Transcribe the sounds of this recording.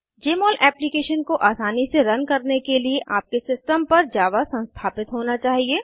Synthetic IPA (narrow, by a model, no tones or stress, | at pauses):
d͡ʒeːmɔːlʔɛːplikeːʃənkoʔaːsaːniseɾɐ̃nkɐɾnekelieʔaːp̚kesɪsʈəmpɐɾd͡ʒjaːd̪asɐ̃nst̪ʰaːpɪt̪ɦoːnat͡ʃaːɦieː